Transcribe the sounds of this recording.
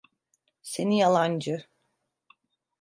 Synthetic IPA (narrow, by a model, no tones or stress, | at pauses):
se̞nijalˠand͡ʒɯ